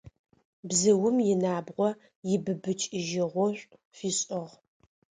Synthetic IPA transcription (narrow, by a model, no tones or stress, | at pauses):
bzɨwʊmjɪnaːbʁʷɔ | jɪbɨbɨt͡ʃʼɪʒɪʁʷɔɕʷʼ | fiːɕʼɨʁ